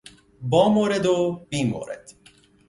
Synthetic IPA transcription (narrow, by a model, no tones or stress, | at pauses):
bɒːmoːɾed̪obiːmo̰ːɾḛd̪̥